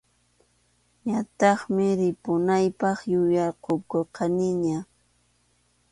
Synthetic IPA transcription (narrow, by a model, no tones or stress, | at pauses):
ɲat̪ɑχmɪɾɪpʊnajpɑχjʊjɑɾqokoqʰɑnɪɲa